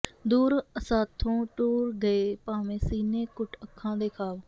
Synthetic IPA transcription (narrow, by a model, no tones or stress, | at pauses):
d̪uːɾəsaːt̪ʰːõːʈuːɾɡəeːpaːmẽːsiːneːkʊʈʰəkʰːãːd̪eːkʰaːʋ